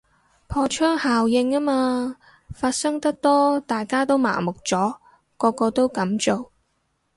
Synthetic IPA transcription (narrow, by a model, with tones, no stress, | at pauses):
pʰɔː˧t͡ʃʰœː˥ŋhaː˨wjɪ˧ŋaː˥maː˧ | faː˧t̚sɐ˥ŋt̪ɐ˥k̚t̪ɔː˥t̪aː˨˩jkaː˥t̪o˥wma̰ː˨˩mʊ˨k̚t͡sɔː˨˥ | kɔː˧kɔː˧t̪o˥wkɐ˨˥mt͡so˨w